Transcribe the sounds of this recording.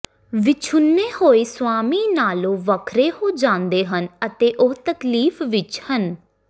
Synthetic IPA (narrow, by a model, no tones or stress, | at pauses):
ʋɪt͡ʃʰʊnːeːhoːeːswaːmiːnaːlõːʋəkʰɾeːhoːd͡ʒãːnd̪eːɦənət̪eːʔoːt̪əkliːfʋɪt͡ʃhən